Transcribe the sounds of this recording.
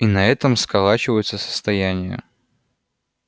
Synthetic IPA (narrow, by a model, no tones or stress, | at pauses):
inɐɛt̪əmskɐlˠat͡ɕɪvəjʊt̪səsə̥st̪ɐjænʲɪjə̰